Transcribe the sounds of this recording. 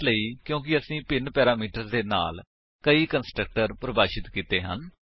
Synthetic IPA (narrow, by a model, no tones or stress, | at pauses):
ləiːkjõːk̬ɪəsĩːpɪnpɛːɾaːmiːʈəɾd̪eːna̰ːl | kəiːkənsʈɾək̚ʈəɾpɾəbaːʃɪt̪kiːt̪eːɦə̰n